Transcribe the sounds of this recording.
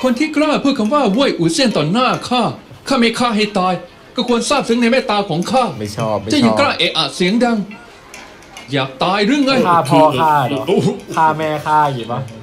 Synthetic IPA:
kʰo˧nt̪ʰiː˥˩klaː˥˩pʰɯː˥˩kʰa˧mwaː˥˩wu˧˥˩əjʔuː˨˩si˥˩ənt̪ɔː˨˩nːaː˥˩kʰaː˥˩ | kʰaː˥˩ma˥˩jkʰaː˥˩ɦa˥˩jt̪aː˧j | kɔː˥˩kʰu˧ənsaː˥˩p̚sʰɯ˦˥ŋna˧jmɛː˥˩t̪aː˧kʰɔː˩˦ŋkʰaː˥˩ma˥˩t͡ɕʰɔː˥˩˧t͡ɕa˧˩ja˧klaː˥˩ʔe˨˩ʔa˨˩si˩˦əŋda˧ŋ | jaː˨˩k̚t̪aː˧jɾɯ˧˥˩ŋːa˧˩jaː˥˩pʰɔː˧aː˥˩˧ | kʰaː˥˩mɛː˧kʰaː˥˩ju˨˩ba˦˥

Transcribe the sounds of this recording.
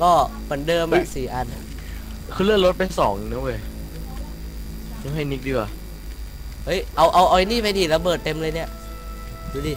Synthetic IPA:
kɔː˥˩mɯ˩˦ndɤː˧mʔa˧˩ʔsiː˨˩˦ʔa˧nʔa˧ | kʰɯː˧lɯ˥˩əŋlɾo˦˥t̪̚pa˧jsɔː˩˦ŋnɯ˧˦˥wo˧˩j | nu˧˥˦ɦa˥˩jni˦k̚diː˧˩kwaː˧˩ | hɤ˦˥jʔa˧wʔa˧wʔa˧jniː˥˩pa˧jdiː˧˩la˧bɤː˨˩t̪ːe˧mlɤː˧jni˦˥˩ɐʔ | duː˧˩diː˧˩

